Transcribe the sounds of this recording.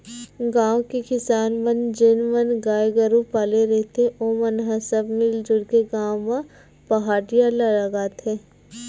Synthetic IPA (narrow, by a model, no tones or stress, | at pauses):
ɡãːwkekɪsaːnmənd͡ʒɪnmɐnɡaːjɡəɾupaːleɾɛɦt̪ʰeʔoːmɐnɦasəbmɪld͡ʒʊɽkeɡãːõmã | pɐɦaːɽijalaɾɐɡaːt̪ʰeː